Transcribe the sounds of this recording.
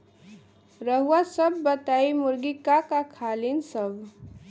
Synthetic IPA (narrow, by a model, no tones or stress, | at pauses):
ɾəɦuwasəbːət̪aimuɾɡikakakʰalinsəb